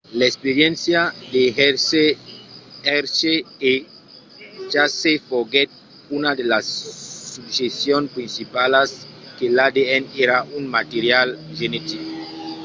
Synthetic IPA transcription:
laekspeɾjensjad̪eheɾse | eɾsee | t͡ʃasefoɣet̪̚ | unad̪elasːubʒesjonpɾinsipalaskelad̪eeneɾaʔunmat̪eɾjalʒenet̪iko

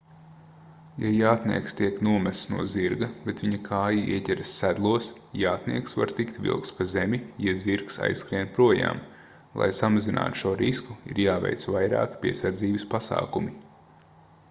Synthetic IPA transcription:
jajaːt̪nḭɛkst̪iɛknuɔmæst̪snuɔziɾɡɐbet̪ʋiɲɐkʰaːjaḭɛtʲɛɾsːæd̪lˠuɔs | jaːt̪nḭɛksva̰ɾt̪ikt̪vʲḭlˠkt̪spazemʲijaziɾksa̰jskɾiɛnt̪̚pɾuɔja̰ːm | lˠa̰jsamazinʔa̰ːt̪u̥ʃuɔɾiskuiɾjaːvɛ̰jt̪sʋajɾa̰ːkpʲiɛsaɾd̪ziːbɪspasa̰ːkumi

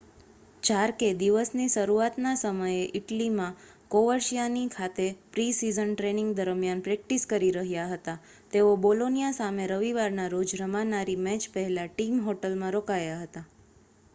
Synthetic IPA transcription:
t͡ʃaɾked̪iʋəsniʃəɾuat̪nasəməjeʔɪʈlimã | koʋəɾʃijanikʰat̪epɾisizənʈɾeniŋɡd̪əɾmjanpɾɛk̚ʈiskəɾiɾəɦjaɦət̪a | t̪eobolonijasameɾəʋiʋaɾnaɾod͡ʒɾəmanaɾimɛt͡ʃpəɦɛlaʈimɦoʈəlmãɾokajaɦət̪a

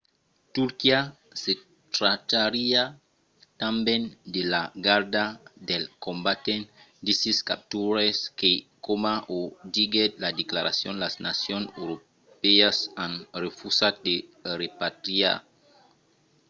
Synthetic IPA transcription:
t̪uɾkia | se | t̪ɾat̪aɾia | t̪ambend̪elaɡaɾd̪ad̪elkombat̪en | d̪isiskap̚t̪uɾeskekomaʔod̪iɡet̪lad̪eklaɾa̰sjonlasnasjoneɾo | peasãnrefusat̪̚d̪eɾepat̪ɾia̰

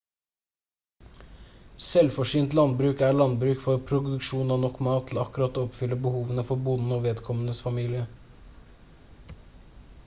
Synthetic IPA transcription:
sɛlfɔʂyːnt̪lɑnbɾʉːkæːɭɑnbɾʉːkfɔɾpʰɾʊd̪ʉkʃuːnɑnɔkːmɑːt̪ʰl̩ɑkʉɾɑt̪ːɔpfʏləbəhuːʋənəfɔɾbuːd̪n̩oːʋeːd̪kʰɔmənəsfɑmiːlɪə

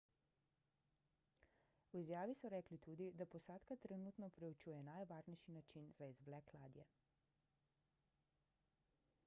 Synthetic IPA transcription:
wizjaːʋisɔɾɛːklit̪uːd̪id̪apɔsaːt̪kat̪ɾɛnuːt̪nɔpɾɛut͡ʃuːjɛnajʋaːɾnɛjʃinat͡ʃinz̥aizʋlɛkla̰ːd̪jɛ̰

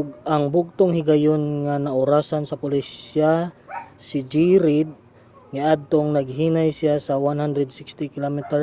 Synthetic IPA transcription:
ʊɡʔɐŋbʊɡ̚t̪oŋhɪɡajonŋanɐʔʊɾaːsansɐpʊlɪsɪa | sɪd͡ʒiɾɪd̪̚ | ŋaʔad̪̚t̪oŋnɐɡɦinajsɪasɐwanhand̪ɾɛd̪sɪkst̪ɪkɪlomɛt̪ɛɹ

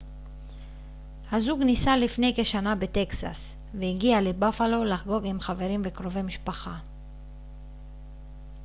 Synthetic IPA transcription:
hazuɡnisalifne̞jke̞ʃanabe̞t̪e̞ksa̰s | veiɡialebafalo̞laχɡo̞ɡimχave̞ʁimvekʁo̞ve̞jmiʃpaχa

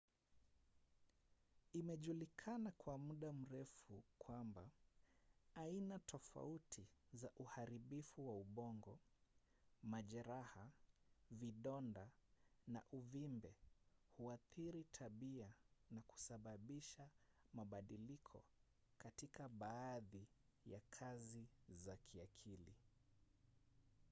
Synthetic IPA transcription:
imɛʄulikʰanakwamuɗam̩ɾɛfukʰwamba | ainatʰɔfa̰utʰizaʔuhaɾiɓifuwauɓɔŋɡɔ | maʄɛɾaha | viɗɔndana̰ʔuvimbɛhuaθiɾitʰaɓianaku̥saɓaɓiʃamaɓaɗilikʰɔ̰ | katikaɓaːði | jakʰazizakʰiakʰili

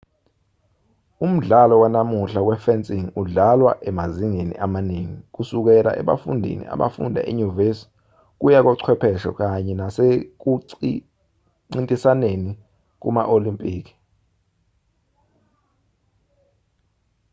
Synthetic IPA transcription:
um̩ɮalɔwanamuɬawɛfɛnt͡sʼiŋuɮalwa̰ʔɛmaziŋenḭʔamaneŋik̬usuk̬ɛla̰ʔɛ̰ɓa̰fṵndʱḭnḭa̰ɓa̰fṵndʱa̰ʔiɲuvesi̥ | k̬ujak̬ɔǀʰwɛpʰɛʃɔ̰k̬ʼaɲɛnasek̬uǀi | ŋ͡ǀintʼisaneni | k̬uma̰ʔolimpʼiːk̬i̥

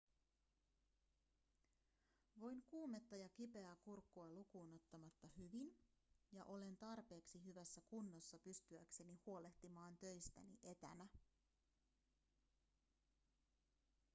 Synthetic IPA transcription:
ʋo̞jŋkuːme̞t̪ːɑjɑkipe̞ækurkːuɑlukuːno̞t̪ːɑmɑt̪ːɑhyʋinjɑ̰ʔo̞le̞nt̪ɑrpe̞ːksiɦyʋæsːækunːosːɑpyst̪yækse̞nihuo̞le̞ht̪imɑːnt̪ø̞jst̪æ̰niʔe̞t̪æ̰næ

